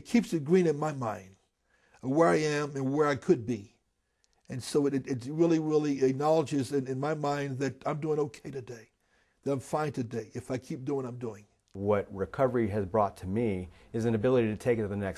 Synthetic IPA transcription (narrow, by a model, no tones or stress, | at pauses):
kʰipsɨɡɹĩnɨ̃nmaɪmãɪ̃nd̥ | ʌwə˞aɪɨ̃mɨ̃nwə˞aɪkʰɨd̚bi | ɨ̃nsoʊɾɨɾɨtsɹɪlˠiɹɪlˠiɨk̚nɑlˠəd͡ʒɪzɨ̃nɨ̃nmaɪmãɪ̃nðɨɾãɪ̃mduɪ̃ŋoʊkʰeɪɾɨdeɪ | ðɨɾãɪ̃ɱfãɪ̃ntʰɨdeɪʔɨfaɪkʰip̚d̥uɪ̃ŋãɪ̃mduɪ̃ŋ | wʌt̚ɹɨkʰʌvə˞iɨzbɹɔtʰɨmi | ɨzɨ̃nɨbɪlˠəɾiɾɨtʰeɪkɨðɨnɛks